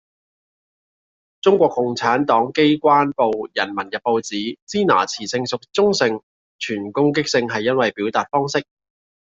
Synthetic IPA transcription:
t͡sʊ˥ŋkʷɔː˧kːʊ˨ŋt͡sʰaː˨˥nt̪ɔː˨˥ŋke˥jkʷaː˥npo˧wjɐ˨˩nmɐ˨˩njɐ˨˩t̚po˧wt͡siː˨˥t͡siː˥na̰ː˨˩t͡sʰiː˨˩sɪ˧ŋsʊ˨k̚t͡sʊ˥ŋsɪ˧ŋ | t͡ʃʰyː˨˩nkʊ˥ŋk̬ɪ˥k̚sɪ˧ŋɦɐ˨jːɐ˥nwɐ˨jpiː˨˥wt̪aː˨t̚fɔː˥ŋsɪ˥k̚

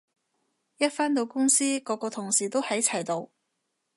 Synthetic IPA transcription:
jɐ˥t̚faː˥nt̪̬o˧wkʊ˥ŋsiː˥kɔː˨˧˥kɔː˧t̪ʰʊ˨˩ŋsiː˨˩t̪o˥whɐ˨˥jt͡sʰɐ˨˩jt̪o˧w

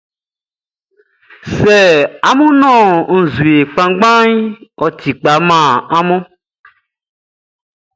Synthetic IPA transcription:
sɛ˨a˨mũ˦nɔ̃˦˨ŋ̩˨zu˨e˨k͡pã˨ɡ͡bã˦ɲ˦ɔ˨t̪i˨k͡pa˨˦mã˦˨a˦mɔ̃˦

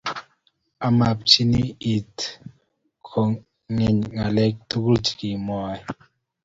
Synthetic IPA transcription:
a˨ma˨p̚t͡ʃi˦ni˦i˨t | kʰo˨ | ŋɛ˨ɲŋa˨lɛ˦k̚tu˦ɡu˦t͡ʃi˨ki˨mɔ˨˦˨j

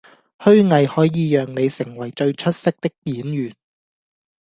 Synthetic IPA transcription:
hɵ˥ɥŋɐ˨jhɔː˨˥jiː˨˧jœː˨ŋne˨˧jsɪ˨˩ŋwɐ˨˩jt͡ʃɵ˧ɥt͡ʃʰɵ˥t̚sɪ˥k̚t̪ɪ˥k̚t̪iː˨˥njyː˨˩n

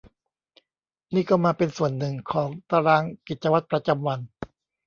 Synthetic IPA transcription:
niː˥˩kɔː˥˩maː˧pe˧nsu˨˩ənːɯ˨˩ŋkʰɔː˩˦ŋt̪a˧ɾaː˧ŋki˨˩t̪̚t͡ɕa˧wa˦˥t̪̚pɾa˧t͡ɕa˧mwa˧n

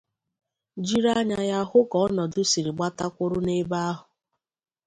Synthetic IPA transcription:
d͡ʒi˦ɾa˦ɲa˦ja˦ɦʊ˦ɡɔ˨˦nɔ˨dʊ˦si˨ɾi˨ɡ͡ba˦ta˦kʷʊ˦ɾʊ˦ne˦ba˦a˦ɦʊ˨

